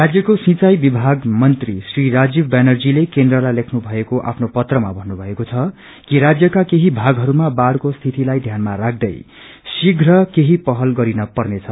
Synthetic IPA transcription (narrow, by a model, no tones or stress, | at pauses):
rad͡zjʌkosĩt͡sajbibʱaɡmʌnt̪risriɾad͡zibbenʌrd͡zilekend̪rʌlajlekʰnubʱʌekoʔa̰pʰnopʌt̪rʌma̰bʱʌnːubʱʌekot͡sʰʌ | kiɾad͡zjʌkakeɦibʱaɡɦʌɾumabaɽkost̪ʰit̪ilajd̪ʱjanmaɾak̚ʰd̪ʌ̰j | siɡʱrʌkeɦipʌɦʌlɡʌɾinʌpʌrnet͡sʰʌ